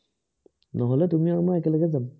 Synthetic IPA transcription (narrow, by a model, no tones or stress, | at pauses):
nɔɦɔlɛt̪umiamaɛkɛləɡɛzam